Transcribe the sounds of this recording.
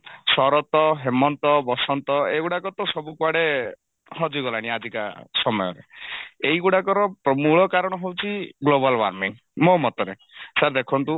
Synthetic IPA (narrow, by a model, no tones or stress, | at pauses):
sɔɾɔt̪ɔɦemɔnt̪ɔbɔsɔnt̪ɔeɡuɽakɔt̪ɔsɔbukwaɽe | hɔd͡ʒiɡɔlaɽ̃iad͡ʒika̰sɔmɔjɔ̰ɾḛeiɡuɽakɔɾɔpɾɔmuɭɔkaɾɔɽ̃ɔɦewt͡ʃʰiɡlobalwa̰ɾmiŋ | momɔt̪ɔɾe | saɾd̪ekʰɔnt̪u